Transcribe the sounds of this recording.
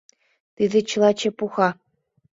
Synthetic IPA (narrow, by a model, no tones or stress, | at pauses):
t̪id̪ʲɘ̆t͡ɕɯlˠɑt͡ɕĕpuxɑ